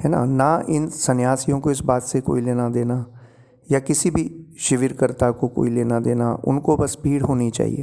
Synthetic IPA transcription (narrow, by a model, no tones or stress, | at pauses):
ɦɛːna̰naɪnsɐnjaːsijõkoɪsbaːt̪seko̰ːileːnad̪eːna | jakɪsibʱiʃɪʋɪɾkəɾt̪akoko̰ːileːnad̪eːnaʊ̰nkobɐsbʱiːɽɦoːnit͡ʃa̰ːɦḭḛː